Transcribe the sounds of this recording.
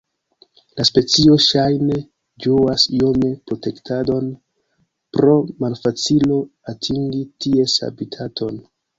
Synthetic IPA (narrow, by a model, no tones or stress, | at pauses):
laspe̞t͡sio̞ʃajne̞ | d͡ʒoasio̞me̞pɾo̞te̞ktʰado̞n | pɾo̞malfat͡silo̞atʰiŋɡitie̞sa̰bitʰatʰo̞n